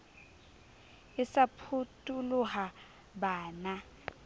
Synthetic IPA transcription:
ɪsapʰutʼuluha | baːna

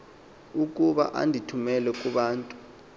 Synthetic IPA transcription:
uk̬ʼuɓa̰ʔa̰ndʱitʰumɛlɛkʼuɓaːntʼu̥

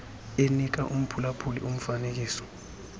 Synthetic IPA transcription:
enik̬aʔum̩pʰulapʰulḭʔum̩fanek̬iːsɔ̥

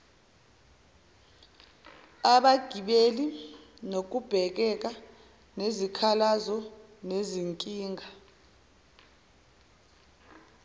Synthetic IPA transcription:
aɓaɡ̥ʱiɓeli | nok̬ub̥ʱɛk̬ɛk̬a | nezikʰalazɔ | neziŋkʼiːŋʱa

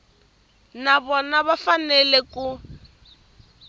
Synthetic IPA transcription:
naβɔnaβafanɛlɛku

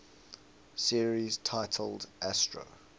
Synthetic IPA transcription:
siəɹiz̥tʰaɪtʰəlˠdʔæstɹo̰

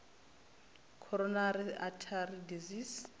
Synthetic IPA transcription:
kʰɔɾɔnaɾiatʰaridizis

